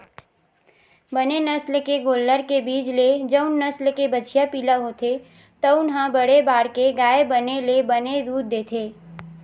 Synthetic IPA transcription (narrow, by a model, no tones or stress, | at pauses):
bɐnenɐslkeɡoːlːəɾkebiːd͡ʒled͡ʒəʊnːɐslkebɐt͡ʃʰijapiːlaɦoːt̪ʰe | t̪əʊnɦãbɐɽebaːɾkeɡaːebənelebɐned̪uːɾ̚d̪eːt̪ʰeː